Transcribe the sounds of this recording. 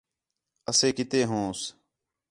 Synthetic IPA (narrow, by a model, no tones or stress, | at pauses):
əseːkɪt̪eːɦõːs